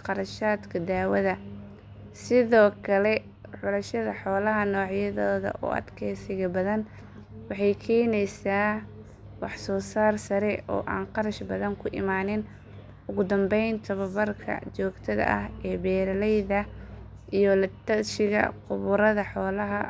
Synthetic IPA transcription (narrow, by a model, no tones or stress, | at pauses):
qɑɾɐʃaːd̪kʰɐd̪aːwɐðɐ | sɪðɔːkʰɐlɛ | ʕʊlɐʃɐðɐħɔːlɐɦɐnɔːʕjɐðɔːðɐ̰ʔɔ̰ʔɐ̰d̪kʰɛːsɪɣɐbɐðɐn | wɑħɑjkʰɛːnɛjsaː | wɑħsɔːsaːrsɐɾɛʔɔ̰ːʔaːnqɑɾɐʃbɐðɐŋkʰʊʔɪ̰maːnɪn | ʊɣʊd̪ɐmbɛjnt̪ʰɐβɐβɐrkʰɐ̰t͡ʃɔːɡt̪ʰɐðɐ̰ʔɐ̰ɦɛːbɛːɾɐlɛjðɐ | ʔijɔlɐt̪ɐʃɪɣɐ̰qʊβʊɾɐðɐħɔːlɐɦɐ